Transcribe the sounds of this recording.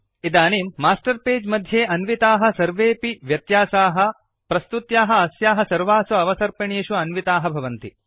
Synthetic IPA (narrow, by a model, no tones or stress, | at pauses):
id̪aːneːmːaːsʈɐɾpeːd͡ʒmɐd̪ʱjeːɐnʋit̪aːɦɐ̆sɐɾʋeːpiʋjɐt̪jaːsaːɦɐ̆ | pɾɐst̪ut̪jaːɦɐ̆ɐsjaːɦɐsɐɾʋaːsuɐʋɐsɐɾpɐɳeːʃuɐnʋit̪aːɦɐbʱɐʋɐnt̪i